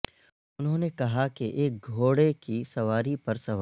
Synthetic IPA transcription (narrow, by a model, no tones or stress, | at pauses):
ʊnɦõːnekɐɦakiʔeːk̚ɡʱoːɽekisɐʋaːɾipɐɾsɐʋ